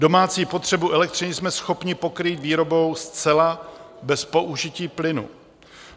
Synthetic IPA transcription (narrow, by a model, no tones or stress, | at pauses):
do̞maːt͡siːpo̞t̪r̝̥ɛbuʔɛlɛk̚t̪rɪnɪsmɛsxo̞pɲɪpo̞kɾiːt̪viːɾo̞bo̞wst͡sɛla | bɛspo̞ʔuʒɪciːplɪnṵ